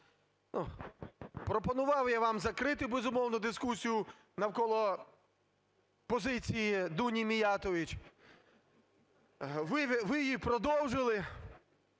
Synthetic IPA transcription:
nu | pɾɔpɔnʊʋɑwjaʋɑmzɐkɾɪt̪ɪbezʊmɔwnɔd̪ɪskusʲijʊ | nɐwkɔlˠɔ | pɔzɪt͡sʲijid̪unʲimʲijɑt̪ɔʋʲit͡ʃ | ʋɪʋɪjipɾɔd̪ɔwʒɪlˠɪ

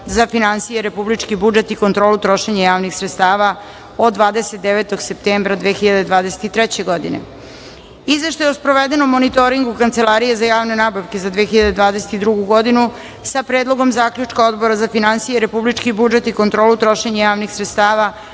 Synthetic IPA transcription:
zafinansijeɾepublit͡ʃkibud͡ʒet̪ikont̪ɾo̞ːlut̪ɾo̞ʃeɲajaːʋnixsɾet̪st̪aːʋa | o̞d̪d̪ʋaːd̪eset̪̚d̪eʋet̪o̞ɡse̞p̚t̪embɾad̪ʋexiʎad̪e̞d̪ʋaːd̪ese̥t̪it̪ɾɛt͡ɕe̞ɡo̞d̪ḭnḛ | izʋe̞ʃt̪ajeospɾo̞ʋed̪enomonit̪oɾiŋɡukant̪selˠaːɾije̞zajaːʋne̞nabaʋke̞zad̪ʋexiʎad̪ed̪ʋaːd̪ese̥t̪id̪ɾuɡuɡo̞d̪inu | sapɾeːd̪lˠo̞ɡo̞mzaːkʎut͡ʂkao̞d̪bo̞ɾazafinansijeɾe̞publit͡ʃkibud͡ʒet̪iko̞nt̪ɾoːlut̪ɾo̞ʃeɲajaːʋnixsɾet̪st̪aːʋa

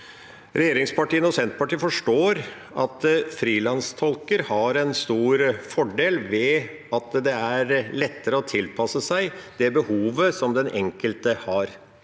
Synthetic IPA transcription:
ɾɛjeːɾɪŋspʰɑʈiːənəɔsɛnt̪pɑʈiːəfɔʂʈoːɾ | ʔɑt̪fɾiːlɑnst̪ʰɔlkəɾhɑɾɛnst̪uːɾfɔɖeːlʋɛ | ɑt̪d̪ɛæɾlɛt̪ːəɾəɔt̪ʰɪlpʰɑsəsæɪd̪̥ɛbəhuːʋəsɔmd̪ɛnʔɛ̰ŋkəlt̪əhɑɾ

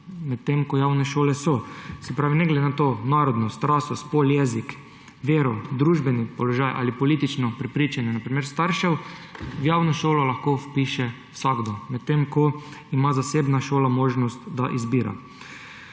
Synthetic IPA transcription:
mɛt̪ːemkɔjaːwnɛʃoːlɛsɔsɛpɾaːʋinɛɡlɛd̪enat̪oːnaːɾɔd̪nɔst̪ɾaːsɔspoljɛzik | ʋeːɾɔd̪ɾuːʒbɛnipɔlɔʒajʔa̰ːlipɔliːt̪it͡ʃnɔpɾɛpɾiːt͡ʃanjɛnapɾimeːɾst̪aɾʃɛwʋjaːwnɔʃoːlɔlaxkowpiːʃɛ | wsaɡd̪omɛt̪ːemkɔimazasebnaʃoːlamoːʒnɔst̪d̪a̰ʔizbiːɾa̰

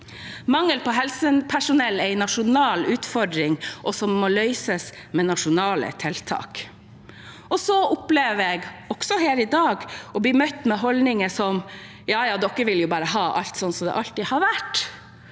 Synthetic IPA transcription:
mɑŋːəlpɔɦɛlsənpʰæʂʊnɛlːæɪnɑʂʊnɑːlʉːt̪fɔɖɾɪŋʔɔsɔmːɔlœʏsəs | mɛnɑʂʊnɑːlə̰t̪ʰɛlt̪ʰɑ̰ːk | ɔsɔʊpleːʋɛɡɔksɔɦeːɾɪd̪ɑːɡɔblimœt̪ːmɛɦɔld̪nɪŋəsɔm | jɑːjɑːd̪ɔkːəʋɪljʊbɑːɾəɦɑːʔɑ̰lt̪sɔnːsɔmd̪ɛ̰ʔɑlt̪ihɑɾʋæʈː

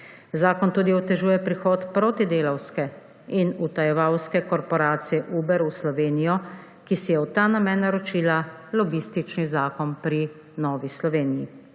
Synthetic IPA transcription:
zaːkɔnt̪uːd̪iɔt̪ɛʒuːjɛpɾixɔːt̪pɾoːt̪id̪eːlawskɛ | inut̪ajɛʋawskɛkɔɾpɔɾaːt̪sijɛʔuːbɛɾuslɔʋeːnijɔ | kisijɛwt̪aːnamɛnːaɾɔt͡ʃiːlalɔbist̪it͡ʃnizaːkɔnpɾi | nɔːʋislɔʋeːnijḭ

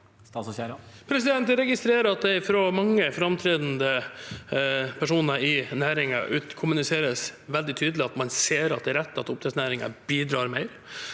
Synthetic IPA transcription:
s | pʰɾɛs̬ɪd̪ɛnt̪ɾɛɡɪst̪ɾeːɾəɑt̪̚d̪ɛɪfɾoːmɑŋːəfɾɑmt̪ʰɾɛd̪n̩d̪ə | pʰæʂuːnəɪnæːɾɪŋɑ̰ʔʉːt̪kʰʊmʉnɪseːɾəsʋɛld̪ɪt̪ʰyːd̪əlɪɑt̪mɑnseːɾɑt̪̚d̪ɛːɾɛt̪ːɑt̪ʊpt̪ʰɛt̪snæːɾɪŋɑ̰biːd̪ɾɑːɾmæɪɾ

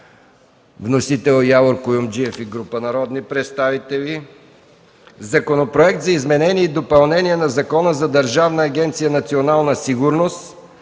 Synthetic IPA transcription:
vnosit̪ɛlˠjavoɾkʊjumd͡ʒiɛfiɡɾupənɐɾɔd̪nipɾɛt̪st̪avit̪ɛvi | zɐkonopɾoɛk̚t̪zɐizmɛnɛniɛid̪opɐlˠnɛnʲiɛnɐzɐkɔnəzɐd̪əɾʒavnəːɡʲɛnt̪sijənɐt̪sionalˠnəsiɡʊɾnost̪

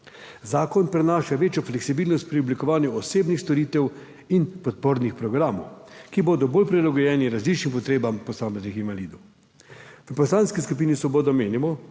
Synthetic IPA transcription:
zaːkɔnpɾɛnaːʃaʋeːt͡ʃjɔflɛksibiːlnɔst̪̚pɾiɔblikɔʋaːnjuɔseːbnixst̪ɔɾiːt̪ɛw | inpɔt̪̚poɾnixpɾɔɡɾaːmɔwkiboːd̪ɔboːlpɾilaɡɔjɛːniɾazlit͡ʃnimpɔt̪ɾeːbampɔsaːmɛznixinʋaliːd̪ɔw | ʋəpɔslanskiskup̬iːnisʋɔboːd̪ɔmeːnimɔ

